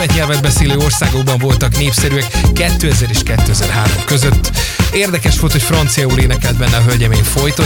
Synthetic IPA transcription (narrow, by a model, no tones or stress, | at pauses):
ɛt̪ɲɛlvɛd̪̚bɛseːløːo̞rsaːɡoɡ̚bɒɱvo̞lt̪ɒkneːfsɛɾyɛkːɛt̪ːøːɛzɛɾeːʃkɛt̪ːøːɛzɛrɦaːɾo̞mkøzøt̪ː | eːrd̪ɛkɛʃʋo̞lt̪hocfrɒnt̪sijɒuleːnɛkɛld̪̚bɛnːɛɒɦølɟɛmeːɱfo̞jt̪o